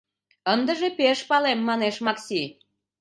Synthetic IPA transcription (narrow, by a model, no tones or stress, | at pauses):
ənd̪əʒepeʃpɑlemːɑneʃmɑksʲi